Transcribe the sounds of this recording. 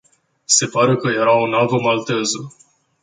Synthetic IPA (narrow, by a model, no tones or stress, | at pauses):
se̞paɾekəje̞ɾaonavəmalt̪ezə